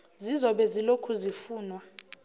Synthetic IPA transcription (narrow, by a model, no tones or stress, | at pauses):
zizɔɓɛzilokʰuzifuːnwa